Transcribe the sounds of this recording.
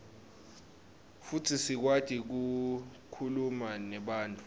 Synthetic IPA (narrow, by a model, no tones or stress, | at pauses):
futʰisik̬wad̥ʱʼik̬ukʰulumanɛɓaːntʼu